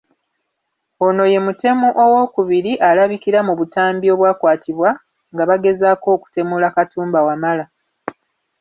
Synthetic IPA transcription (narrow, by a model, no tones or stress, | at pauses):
o̞no̞je̞mute̞muʔowo̞kuβiɾiʔalaβikiɾamuβutaːmbio̞βwaːkwaːtʰiβwa | ŋɡaβaɡe̞zako̞ːku̥te̞mulakatuːmbawamala